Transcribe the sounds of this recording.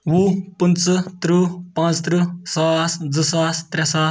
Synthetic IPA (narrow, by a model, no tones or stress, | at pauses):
wupənt͡sɨt̪ɾupãːt͡st̪ɾɨsasd͡zəsaːst̪ɾɛsaː